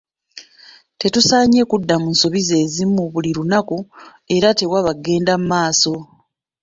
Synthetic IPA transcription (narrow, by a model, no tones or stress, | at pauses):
te̞tusaːɲe̞kudːamunso̞βize̞ːzimuβuliɾunaku | e̞ɾate̞waβaɡe̞ːndamumaːso̞